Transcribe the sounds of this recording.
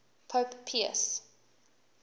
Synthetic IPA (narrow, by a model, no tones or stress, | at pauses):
pʰoːppʰiə̰s